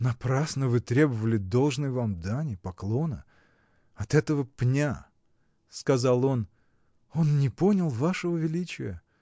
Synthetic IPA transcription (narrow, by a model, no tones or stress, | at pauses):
nɐpɾasnəvɨt̪ɾʲe̞bəvəlʲɪd̪o̞lˠʐnɨjvamd̪anʲɪpɐklˠo̞nə̰ | ɐt̪ɛt̪əvəpnʲa | skɐzalˠo̞n | o̞nnʲɪpo̞nʲɪlˠvaʂəvəvʲɪlʲit͡ɕɪjə